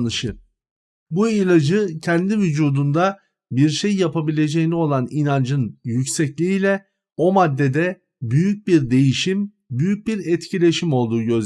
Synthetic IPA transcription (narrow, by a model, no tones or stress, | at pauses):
ɯʃɯ | builʲˠad͡ʒɯcʰɛnd̪ivyd͡ʒuːd̪und̪a | biɾʃejːapabilʲe̞d͡ʒejinio̞lˠaninand͡ʒɯnjycsɛclʲiːlʲɛ | o̞mad̪ːe̞d̪ɛ | byjyc̚biɾd̪e̞jiʃim | byjyc̚biɾɛt̪cʰilʲe̞ʃimo̞lˠd̪uːɟø̞z